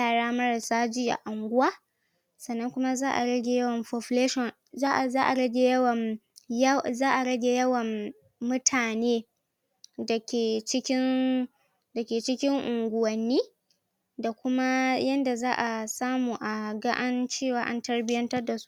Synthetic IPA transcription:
jaː˦˨ɽaː˦mɐ˦ɽɐ˨saː˦d͡ʒiː˦ʔa̰˨ʔa˨ŋɡʷʊ˦waː˦ | sɐ˨nːɐ˦ŋkʷʊ˦ma˦zaː˦ʔa̰˨ɽɐ˦ɡʲe˨jɐ˦wɐ˨mɸo˨ɸleː˦ʃɔ˨n | zaː˦ʔa˨zaː˦ʔa˨ɽɐ˦ɡʲe˨jɐ˦wɐ˨m | jzaː˦ʔa˨ɽɐ˦ɡʲe˨jɐ˦wɐ˨mː | ʊ˦tʰaː˨neː˦ | da˨kʲeː˨t͡ʃɪ˦kʲɪ˦n | dɐ˨kʲeː˨t͡ʃɪ˦kʲɪ˦ŋʔʊ˨ŋɡʷʊ˨wɐ˨nːiː˦ | da˨kʷʊ˦ma˦jɐ˦nda˨zaː˦ʔa˨saː˦muː˨ʔa˨ɡa˦ʔa˦nt͡ʃeː˦˨waː˨˦ʔa̰˦ntɐ˦ɽbɪ˦jɐ˦ntɐ˦rda˨su̥˦

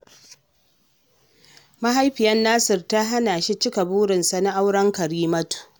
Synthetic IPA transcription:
ma˦ɦa˦jɸɪ˨jɐ˦nːaː˦sɪ˨rta˦ɦa˦naː˨ʃi˦t͡ʃɪ˦ka˨buː˦ɾɪ˨nsa˨na˦ʔa˦wɽɐ˦ŋkɐ˨ɾiː˦mɐ˦tu̥˨

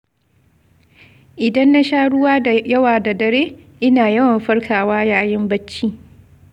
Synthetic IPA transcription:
ʔɪ˨dɐ˦nːa˦ʃaː˦ɽʊ˦waː˦a˨jɐ˦waː˨da˨dɐ˨ɽeː˦ʔɪ˦naː˨jɐ˦wɐ˨mɸɐ˦ɽkʰaː˨waː˦jaː˨jɪ˦mbɐ˦t͡ʃːiː˦

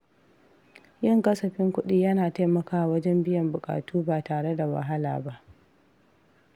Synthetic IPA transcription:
jɪ˦˨ŋkʼɐ˦sɐ˨ɸɪ˦ŋkʷʊ˦ɗiː˦jɐ˦naː˨ta˦jmɐ˨kaː˨wɐ˦d͡ʒɛ˦mbɪ˦jɐ˨mbʊ˨kʼa̰ː˨tuː˦baː˨taː˨ɽe˦da˨wɐ̰˨ɦa˦la̰ː˨ba˦ʔ

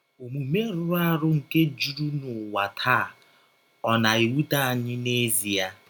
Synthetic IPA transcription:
o˨mu˨me˦ɾʊ˨ɾʊ˦a˦ɾʊ˦ŋ̩˨ke˦d͡ʒu˦ɾu˦nʊ˨wa˨tʰa˦˨ | ɔ˦na˨i˨wu˦ta˦a˨ɲɪ˦ne˦zi˨ja˦

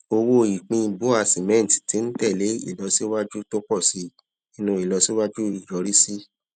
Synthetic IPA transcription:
o˧wo˧˦i˨k͡pĩ˧bo˨˦a˧˨si˨mɛ̃˦n˨ti̥˨ti˨˦n̩˦tɛ˦˨le˨˦ḭ˦˨lɔ˧si˦wa˦d͡ʒu˦to˦k͡pɔ˦˨si˨˦ | ĩ˦nũ˧˦i˨lɔ˧si˦wa˦d͡ʒu˦i˨jɔ˨˦ɾi˦si˦

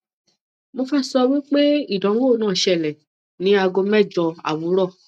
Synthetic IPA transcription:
mo˧fa˦sɔ˧wi˦k͡pe˦i˦˨dã˨˦wo˦˨nãː˦˨ʃɛ˧˨lɛ˨ | nĩ˨˦a˧ɡo˧mɛ˦˨d͡ʒɔ˧a̰˨wu˨˦ɾɔ˦˨

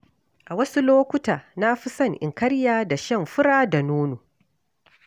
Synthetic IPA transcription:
ʔa˨wɐ˦su˦loː˦kʷʊ˦taː˨na˦ɸi˦sɐ˦˨ŋʔɪ̰˨ŋkɐ˦ɽjaː˦da˨ʃɐ˦˨mɸʊ˦ɽaː˦da˨nuː˦noː˨

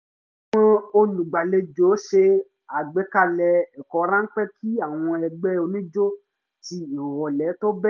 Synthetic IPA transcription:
w̃ɔ̃˧o˧lũ˨ɡ͡ba˨le˧d͡ʒo˨˦ʃe˧ | a˨ɡ͡bɛ˨˦ka˦˨lɛ˧ɛ˨kɔ˨˦ɾã˦ŋ̩˦k͡pɛ˦kʰi˦a˦˨w̃ɔ̃˧ɛ˧ɡ͡bɛ˦o˧nĩ˦d͡ʒo˦ | ti˧ĩ˨wɔ˨lɛ˨˦to˦bɛ˦

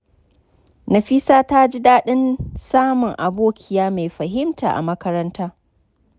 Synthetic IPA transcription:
nɐ˨ɸi˦saː˦ta˦d͡ʒi˦daː˦ɗɪ˦nsaː˦mʊ˨ŋʔa˨boː˦kʲʰɪ˨jaː˦ma˨jɸɐ˨ɦɪ˦mta̰ː˨ʔa̰˨mɐ˦kɐ˦ɾɐ˦ntaː˦

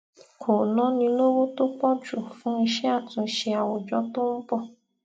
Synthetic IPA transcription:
kʰo˨nɔ̃˦nĩ˧lo˦wo˦to˦k͡pɔ˦d͡ʒu˨fũ˦i˧ʃɛ˦a˦˨tũ˨ʃe˧a˨wɔ˨d͡ʒɔ˨˦to˦m̩˦pɔ˧˨

